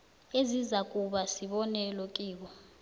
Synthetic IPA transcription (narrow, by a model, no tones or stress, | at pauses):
ezizakʼuɓasiɓɔnɛlokʼiːk̬ɔ